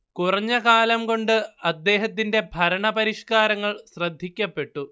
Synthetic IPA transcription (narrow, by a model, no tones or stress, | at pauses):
kurɐɲːɐkaːlɐmko̞ɳɖɨɐd̪ːe̞ːɦɐt̪ːinde̞bʱɐɾɐɳɐpɐɾiʂkaːɾɐŋːɐɭɕrɐd̪ʱːikʲːɐpːe̞ʈːu